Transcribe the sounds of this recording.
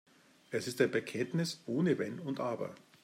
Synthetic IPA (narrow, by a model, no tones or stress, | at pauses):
ʔɛsɪstaːbəkʰɛntnɪsʔoːnəvɛnʊntʔaːbɐ̰